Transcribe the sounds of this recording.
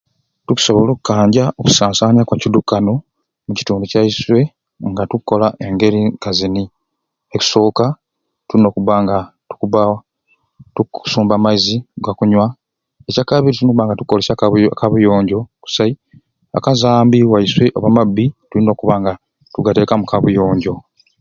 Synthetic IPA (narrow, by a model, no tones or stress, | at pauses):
tuku̥so̞βo̞lo̞ku̥kːaːɲɟaʔoku̥saːnsaːɲakwacidukːano̞ | muci̥tuːnducaiswe̞ | ŋɡatukːo̞laʔe̞ŋɡe̞ɾikazini | eku̥so̞ːka | tulino̞ːkuβaŋɡatu̥kuβa | tu̥suːmbamaiziɡakuɲwa | ecakaβiɾitunoβaːŋɡatukːolesakaβujo̞ːɲɟo̞ku̥sai | a̰kazaːmbiwaiswe̞ʔo̰βamabːitulino̞ːkuβaŋɡa | tuɡate̞ːkamukaβujo̞ːɲɟo̞